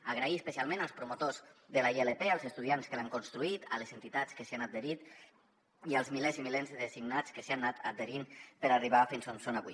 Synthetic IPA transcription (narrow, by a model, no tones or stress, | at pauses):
aɣ̞ɾaiəspəsialˠmẽnalˠspɾumut̪ozðəlaielepealˠzəst̪uð̞ianskəlaŋkunst̪ɾuit̪aləzent̪it̪at͡skəseanaeɾit̪ | ialˠzmilezimilenzðesiɡnat͡skəseanːat̪a̰d̪eɾimpəɾariβ̞afinsumsonaβṵ